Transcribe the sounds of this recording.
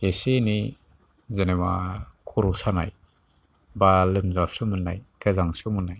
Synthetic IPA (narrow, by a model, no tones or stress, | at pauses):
eseni | zenemakʰuɾusana̰j | balɯmzasɯmɯnːa̰jkʰɯzaŋsumunːaj